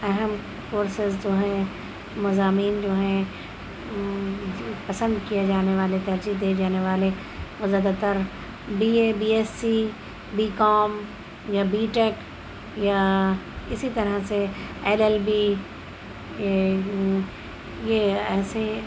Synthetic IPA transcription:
ɛɦəm | koːɾsɪzd͡ʒoːɦɛ̃ | mɐzaːmiːnd͡ʒoːɦɛ̃ | pɐsə̃nd̪kijed͡ʒaːneʋaːlet̪ɐɾd͡ʒid̪iːed͡ʒaːneʋaːle | ʋozaːd̪at̪əɾ | biːebiːeːsːi | biːkɔːm | jabiːʈeːk | ja | ɪsit̪ɐɾəɦseɛːlɛlbi | jeɛːse

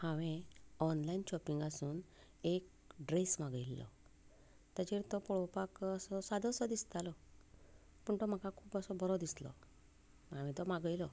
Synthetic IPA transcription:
hãʋẽɔnlainɕɔpiŋɡasuːn | ek̚ | ɖɾesmaɡəilːɔ̰ | t̪əd͡ʑeɾt̪ɔpɔɭɔpakəsɔsad̪əsɔd̪ist̪alɔ | pəɳt̪ɔm̤akakʰuːpəsɔbəɾɔd̪islɔ̰ | maʋẽt̪ɔmaɡəilɔ

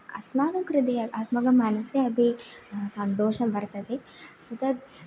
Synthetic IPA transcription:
ɐ̰smaːɡɐmkɾid̪iɐɐsmɐɡɐmːaːnɐsjɐɐbʱisɐnt̪oːʂɐmbɐɾt̪ɐd̪e | ɐt̪ɐd̪

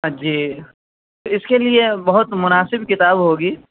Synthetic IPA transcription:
ɦɐd͡ʒiː | t̪oɪskeliebɐɦʊt̪mʊnaːsɪbkɪt̪aːbɦoːɡiː

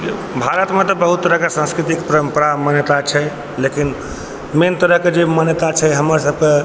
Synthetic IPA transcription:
bʱaɾət̪met̪ɔbəɦut̪ːəɾəɦkesãnskɾit̪ikpəɾəmpəɾamənjət̪at͡ʃʰɛ | lekin | ment̪əɾəɦked͡ʒemənjət̪at͡ʃʰɛɦəməɾsəbke

